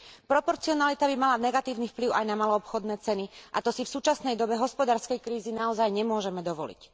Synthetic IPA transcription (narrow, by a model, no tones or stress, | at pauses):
pɾɔpɔɾt͡siɔnalit̪abimalanɛɡat̪iːʊnifpliʊajnamalɔːpxɔd̪nɛːt͡sɛniʔat̪ɔsifsuːt͡ʃasnɛjd̪ɔbɛɦɔspɔd̪aːɾskɛjkɾiːzinaɔzajɲɛmʊɔʒɛmɛd̪ɔʋɔlḭc